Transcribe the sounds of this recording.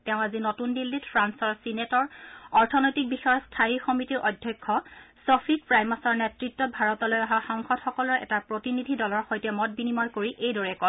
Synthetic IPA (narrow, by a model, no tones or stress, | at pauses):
tɛʊ̃azinotundilːitfʰɹansɔɹsinetɔɹɔɹtʰɔnɔjtik̚bixɔjɔstʰajixɔmitiɹʔɔdʱjɔjkʰːɔsopʰid̚pɹajmasɔɹnɛtɹitːɔbʱaɹɔtɔlojaɦaxɔŋxɔtxɔkɔlɔɹɛ̰tapɹotinidʱidɔlɔɹxojtɛmɔt̚binimɔjkoɹiʔejdɔɹɛkɔ